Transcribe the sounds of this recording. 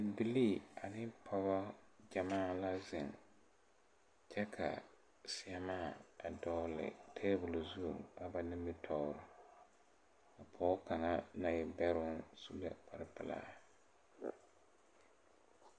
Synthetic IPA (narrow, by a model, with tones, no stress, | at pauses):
ɪ˨bi˨liː˦˨a˨nɪ˦pʰɔ˦ba˦d͡ʒa˨maː˦˨la˦zɪ˨ŋ | t͡ʃɛ˦kʰa̰˨ | sɪ˨a˨maː˦˨a˨dɔ˦lɪ̰˨tʰe˦bʊ˨lzu˦˨ŋa˨ba˨nɪ˦mbɪ˦tʰɔ˦ʊ˦ɾʊ˨ | a˨pʰɔː˦ka˨na˦na˨jɪ˨bɛ˦ɾʊ˦nsu˦lɛ˦pʰa˨ɾɪ˦pɪ˨la̰ː˨˦